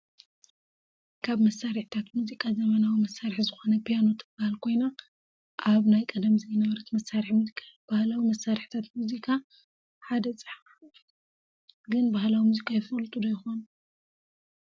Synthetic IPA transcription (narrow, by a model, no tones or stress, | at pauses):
kʰaβmɐsːaɾiħt̪ʰat̪muzikʼazɐmɐnawimɐsːaɾiħzɨxo̞nɐpʰijano̞t̪ʰɨb̥ahalkʰo̞jna | ʔaβnajkʼɐd̪ɐmzɐjnɐβɐɾɐt̪mɐsːaɾiħmuzikʰʼab̥ahlawimɐsːaɾħt̪ʰat̪muzikʰa | ħad̪ɐt͡sʼɨħ | ɡɨnbahlawimuzikʼajɪfɐlt̪ʼud̪ɐjɪxon